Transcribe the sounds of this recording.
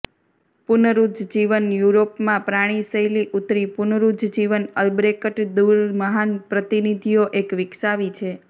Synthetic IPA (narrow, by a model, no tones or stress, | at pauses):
pʊnəɾud͡ʒ̪d͡ʒiʋənjuɾopmãpɾaɽ̃isəjliʔut̪ɾipʊnəɾud͡ʒd͡ʒiʋənəlbɾekəʈd̪uɾməɦanpɾət̪inid̪ʱijoʔekʋɪksaʋit͡ʃʰe